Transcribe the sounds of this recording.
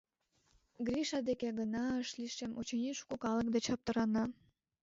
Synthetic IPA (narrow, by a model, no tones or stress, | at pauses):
ɡrʲiʃɑd̪ekeɡənɑəʃliʃemʔot͡ɕenʲiʃkokɑlək̚d̪et͡ɕɑp̚t̪əɾɑnɑ